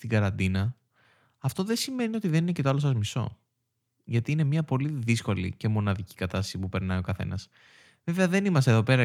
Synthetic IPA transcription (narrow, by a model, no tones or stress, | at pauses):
t̪iɡɐɾɐnd̪inɐː | ft̪o̞ðe̞sime̞nio̞t̪iðe̞nine̞ce̞t̪oɐlo̞s̬ɐzmiso̞̰ | ʝɐt̪iine̞mɲɐpo̞liðisko̞lḭce̞mo̞nɐðici̥kɐt̪ɐst̪ɐisipupe̞ɾnɐjo̞kɐθe̞̰nɐs | ve̞veɐðe̞nimɐs̬t̪eðo̞pe̞ɾɐ